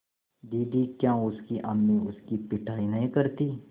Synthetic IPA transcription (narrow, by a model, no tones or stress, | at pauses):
d̪iːd̪ikjãːʊskiʔɐmniʊskipɪʈʰaːinɐɦĩkɐɾt̪iː